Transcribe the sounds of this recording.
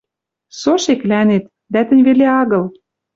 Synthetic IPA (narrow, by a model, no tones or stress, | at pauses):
soʃeklænet̪̚ | d̪æt̪ə̆nʲβeleɑɣɤ̆l